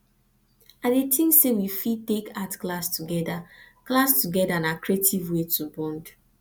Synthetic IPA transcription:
adetʰĩŋsewifitekatklastuɡɛdaklastuɡɛdanakʰɹetivwetʰubɔ̃nd

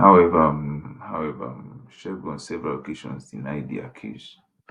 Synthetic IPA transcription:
hawɛvahawɛva̰ʃɛɡɔ̃nsɛvɛɹalokeʃɔ̰̃nsĩnajdḭa̰kʰḛs

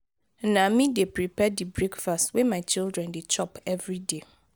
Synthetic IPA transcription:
nãmĩdepʰɾipʰɛdibɹekfastwɛmãt͡ʃʰildɹɛ̃ndet͡ʃʰɔpʰɛvɹide

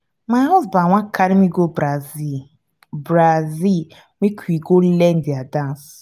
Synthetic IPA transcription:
maɦazbaŋʷakʰaɾimiɡobɾazi | bɾazil | mʷikʰʷiɡolen̩diadãns

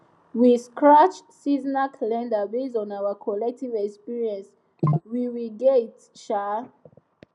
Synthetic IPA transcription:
wiskɹat͡ʃsiznakʰalɛ̃ndəbezɔ̃nawəkʰɔlɛk̚tivɛkspiɹiɛ̃ns | wiɹiɡet | ʃa

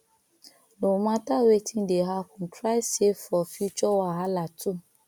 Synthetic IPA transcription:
nomãtawetʰĩdeɦakũn̩tʰɾajsefɔfit͡ʃɔwaɦalatu

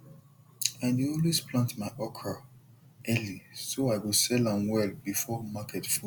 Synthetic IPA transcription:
ãndiõlisplãntmaɪʔɔkʰa | ʔɛlisoaɪwosɛlãmwɛlbifɔmakʰɛtfi

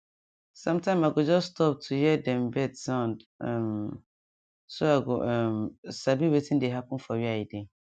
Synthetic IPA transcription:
sãmtʰãmaɡɔd͡ʒɔsːtʰɔp̚tʰujɛdɛ̃mbɛdsãndɛm | soaɡɔʔɛmsabiwetʰĩdeɦakʊ̃nfɔɥiajɪdɛ̃

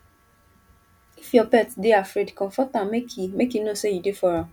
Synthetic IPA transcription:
ifjɔpɛtdeafɾedkɔ̃ɱfɔtãmmekʰimekinosejudefɔɾã

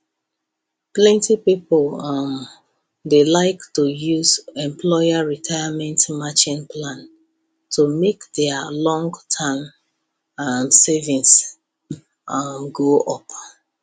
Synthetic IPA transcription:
plɛ̃ntipipəlm | delaɪktujuzɛ̃mpʰlɔɪaɹitʰaɪamɛ̃ntmat͡ʃĩnplãn | tʰumekdɛəlɔ̃ŋɡtʰam | msɛvĩns | mɡoʔɔp

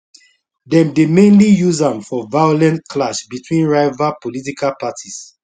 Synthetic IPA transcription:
dɛ̃mdemẽnlijuzãmfɔvaɪjolɛ̃ntkʰlaʃbitʰwĩnɹaɪvapolit̬ikʰalpatʰis

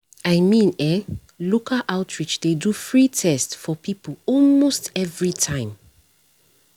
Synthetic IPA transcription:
aɪmĩnɛ | lokaʔaʊtʰɹit͡ʃdedufɹitʰɛstfɔpipəɔlmostɛvɹitʰãɪ̃m

